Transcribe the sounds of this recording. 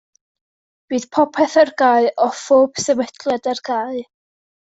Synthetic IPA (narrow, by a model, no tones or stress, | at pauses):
b̥iːð̥pʰɔpʰɛθarɡaɨʔɔfoːb̥sɛwɛtʰlɛdarɡaj